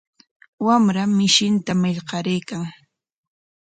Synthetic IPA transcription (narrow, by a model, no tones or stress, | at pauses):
wamɾamɪʃɪnt̪amɪʎɢɑɾejkaŋ